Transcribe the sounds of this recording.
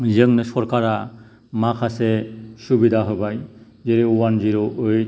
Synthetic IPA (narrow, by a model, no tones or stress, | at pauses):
zəŋnɯsɔɾkaɾa | makʰasɛsubidʱaɦɔbaj | zeɾiuwanziɾoʔːj